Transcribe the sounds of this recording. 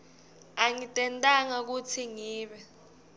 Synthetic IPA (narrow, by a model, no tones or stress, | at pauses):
aŋitʼɛntʼaŋak̬utʰiŋiːɓɛ